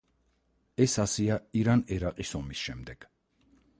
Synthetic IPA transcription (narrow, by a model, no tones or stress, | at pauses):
ɛsasiaiɾanɛɾaqʼisɔmisʃɛmd̪ɛɡ̥